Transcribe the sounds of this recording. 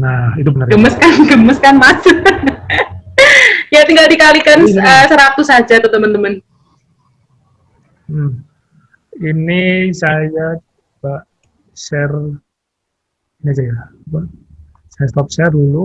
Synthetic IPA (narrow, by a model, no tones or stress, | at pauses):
nahit̪ubənərɡəməskanɡəməskanmasə | jat̪iŋɡaldikalikanəːsəɾat̪usad͡ʒat̪ot̪əmənt̪əmən | m̩ | inisaja | baʔ | ʃɛr | iniasajaba | sajast̪ɔp̚ʃɛrdulu